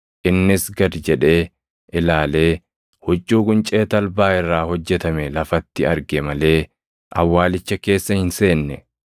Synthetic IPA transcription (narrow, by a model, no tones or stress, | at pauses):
ʔɪnːɪsɡɐd̪d͡ʒɛᶑe̞ː | ʔɪlaːle̞ː | hɔd͡ʒːuːkʼʊnt͡ʃʼe̞ːt̪ɐlbaːɪrːaːhɔd͡ʒːɛt̪ɐmɛlɐfɐt̪ːɪɐɾɡɛmɐle̞ː | ʔɐ̰wːaːlɪt͡ʃːɐke̞ːsːɐhɪnse̞ːnːɛ